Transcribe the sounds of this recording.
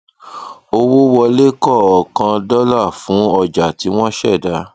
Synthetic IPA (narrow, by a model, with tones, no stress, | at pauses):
o˧wo˦wɔ˧le˦kɔ˦˨ɔ˨kã˧dɔ˦la˦˨fũ˨˦ɔ˧d͡ʒa˨ti˨˦w̃ɔ̃˦ʃɛ˦˨da˧˦